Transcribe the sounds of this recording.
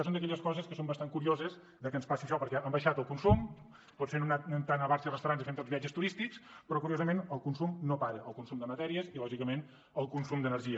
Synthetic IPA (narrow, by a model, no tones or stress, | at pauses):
sond̪əkɛʎəskɔzəskəsombəst̪aŋkuɾiozəz | ðəkənspasiəʃɔpəɾkɛʔəmbəʃat̪əlˠkunsum | pɔt̪fenunat̪nt̪anəβaɾsirəst̪wɾanzifent̪ozβiad͡ʒəst̪uɾist̪ikspɾɔkuɾiozəmenəlˠkunsumnopaɾəʔəlˠkunsumd̪əmət̪ɛɾiəzilɔʒikəmen | əlˠkunsumd̪ənəɾʒiə